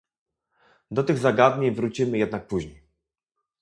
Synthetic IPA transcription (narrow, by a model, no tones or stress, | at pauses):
d̪ɔt̪ɘɣzaɡad̪ɲeɲvɾut͡ɕimɘjɛd̪nak̚puʑɲej